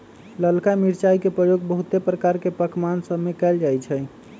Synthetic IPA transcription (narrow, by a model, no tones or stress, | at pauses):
ləlkamiɾt͡ʃaikepɾəjoɡ̚bəɦut̪epɾəkaɾkepəkmansəbmekɛld͡ʒajt͡ʃʰɛ